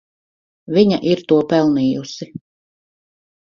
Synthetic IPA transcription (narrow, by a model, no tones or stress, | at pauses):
viɲa̰ʔiɾt̪uɔpɛlˠniːjusi